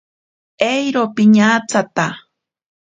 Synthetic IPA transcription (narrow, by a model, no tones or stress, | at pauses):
ejɾopɪɲat͡sat̪a